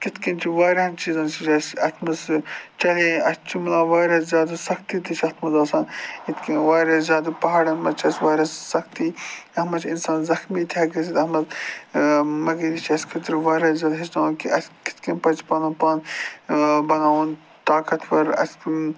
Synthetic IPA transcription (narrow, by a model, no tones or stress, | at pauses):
kɪt̪kint͡ʃʰiʋaːɾɐnt͡ʃiːzɐnt͡ʃʰit͡ʃɐsɐt̪ʰmɐst͡ʃɐlẽɐst͡ʃʰumlaːʋaːɾɐszʲaːd̪asɐxt̪it̪it͡ʃʰɐt̪ʰmɐzaːsãːnit̪ʰkinʋaːɾɐszʲjaːd̪apɐɦaːɽɐnmɐt͡ʃʰɐsʋaːɾɐssɐxt̪iːɐmɐt͡ʃʰinsaːnzɐxmiːt̪ʲʰjaːɡɐsit̪ɐmɐz | mɐɡɐɾit͡ʃʰɐsʲkʰɐt̪ɾiʋaːɾɐzʲaːd̪ɦisnaːnkiʔɐskɪ̥t̪ʰkinpɐt͡ʃpɐnɐpaːn | bɐnaːʋun | t̪aːkɐt̪pɐɾɐ̰sʲ